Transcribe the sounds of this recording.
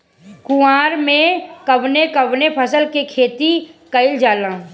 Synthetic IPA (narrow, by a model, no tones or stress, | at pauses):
kʊaːɾmẽkɐʋnekɐʋnepʰəsəlkekʰeːt̪ikəɪld͡ʒaːlãː